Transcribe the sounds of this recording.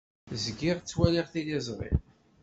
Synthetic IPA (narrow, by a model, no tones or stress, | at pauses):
zɡɪʁt͡sːwælɪʁθilizˤʁɪ̰ʁ